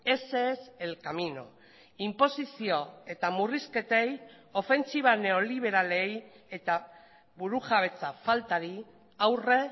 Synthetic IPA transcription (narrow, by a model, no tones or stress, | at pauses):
e̞seːselkamino̞ | impo̞sisio̞e̞t̪amuriske̞t̪e̞j | o̞fe̞nt͡siβ̞ane̞o̞liβ̞e̞ɾale̞j | e̞t̪a | βuɾuɣaβ̞e̞t͡safalt̪aɾi | awre̞